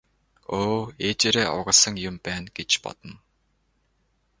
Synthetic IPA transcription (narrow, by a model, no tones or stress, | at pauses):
oːet͡ɕeɾeːʔʊʁə̆ɮsə̆ŋjʊmpæːnɡet͡ɕpɔ̰t̪ɞ̆n